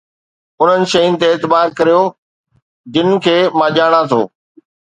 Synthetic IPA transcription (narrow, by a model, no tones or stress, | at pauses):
ʊn̤ənɪ̆ʃɐjʊnɪ̆t̪eːt̪ɪbaːɾkɐɾijoː | d͡ʑɪnɪ̆kʰeːmãːʄaːɽ̃at̪ʰo̰ː